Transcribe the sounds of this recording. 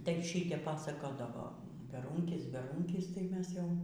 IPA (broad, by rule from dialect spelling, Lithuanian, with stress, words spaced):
tɐɪ ˈʃʲiːtʲɛp ˈpɑːsɐkoːdɐʋoː bʲɛˈruːŋʲkʲɪs bʲɛˈruːŋʲkʲɪs tɐɪ ˈmʲɛs ˈjɛʊ